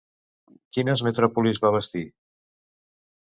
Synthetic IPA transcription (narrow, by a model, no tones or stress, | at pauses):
kinəzmət̪ɾɔpulizβaβ̞əst̪i